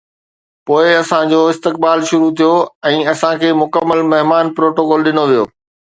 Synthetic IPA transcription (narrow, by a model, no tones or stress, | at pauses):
poːɪɐsãd͡ʑoːɪst̪ɪk̚baːlʃʊɾut̪ʰijoɛ̃ːɐsãkʰeːmʊkəmːəlmɐɦmaːnpɾoːʈokɔːlɗɪnoʋijo̰ː